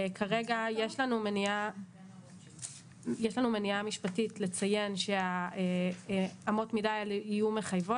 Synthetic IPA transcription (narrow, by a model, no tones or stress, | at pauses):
kʰaʁe̞ɡajeʃlanumenia | jeʃlanume̞niamiʃpatitle̞t͡saje̞nʃe̞ae | amo̞tmidajalijume̞χajvo